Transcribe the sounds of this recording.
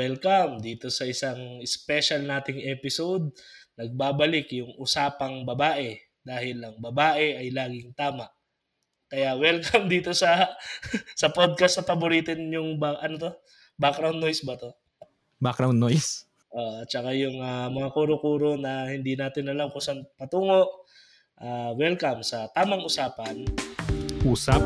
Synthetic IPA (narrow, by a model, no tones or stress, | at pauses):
wɛlkɐmd̪iːt̪o̞sɐʔɪsaŋɪspɛʃɐlnaːt̪ɪŋɛːpɪsod̪̚nɐɡ̚baːbɐlɪkjʊŋʔʊsaːpɐŋbɐbaːʔɛ | d̪aːhɪlɐŋbɐbaːʔɛʔɐjlaːɡɪŋt̪aːmɐʔ | kɐjawɛlkʰɐmd̪iːt̪o̞sɐ | sɐpod̪̚kɐst̪ɐpɐbʊɾiːt̪ɪnjʊŋbaʔɐnot̪o̞ | bakɾawnːojsbɐt̪o̞ | bakɾawnːojs | ʔoːʔt̪̚t͡ʃɐkajʊŋɐmɐŋakuːɾokuːɾo̞nɐhɪnd̪inaːt̪ɪnɐlamkʊsɐnpɐt̪uːŋo̞ʔ | ʔaːwɛlkɐmsɐt̪aːmɐŋʊsaːpɐn | ʔuːsap̚